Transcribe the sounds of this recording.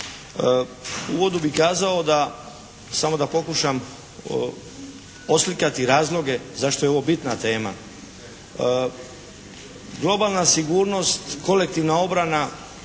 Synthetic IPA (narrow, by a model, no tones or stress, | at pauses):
uʋo̞d̪ubikaːzao̞d̪a | samo̞d̪apo̞kuʃam | o̞slikat̪iɾaːzlˠo̞ɡe̞zaʃt̪o̞jeo̞ʋobit̪nat̪e̞ːma̰ | ɡlˠo̞balˠnasiɡuːɾno̞st̪ko̞lek̚t̪iʋnao̞bɾana